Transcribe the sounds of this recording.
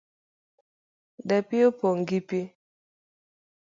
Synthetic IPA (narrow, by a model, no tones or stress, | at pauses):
dɛpiopoŋɡipi